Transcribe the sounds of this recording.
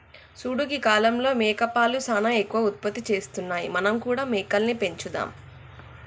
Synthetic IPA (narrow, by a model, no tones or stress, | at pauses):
suːɽuɡikaːlɐmlo̞ːmɛːkɐpaːlusaːnaekːuʋɐut̪̚pɐt̪ːit͡ʃe̞ːst̪unːaːjimɐnɐmkuːɽaːmɛːkɐlnipe̞ɲt͡ʃud̪a̰ːm